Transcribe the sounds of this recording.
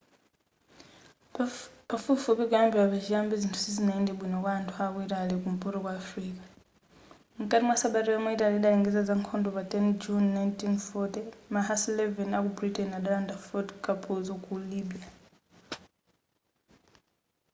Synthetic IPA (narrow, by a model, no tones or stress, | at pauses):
pafufupikujambɛwapat͡ʃijambizintʰu̥sizinaɛndɛɓwinɔkwaːntʰuaːkuitalikum̩pʼɔɾɔkwaːfɾiːkḁ | ŋ̩kʼatimwasaɓaɾiwamɔitaliɗalɛŋɡɛzad͡zaŋkʰɔndɔpatʼɛnd͡ʒunːajntinfɔtɛmaɦaslɛvɛnakubɾitɛnaɗalandafɔtkʼapʰuzɔkulibija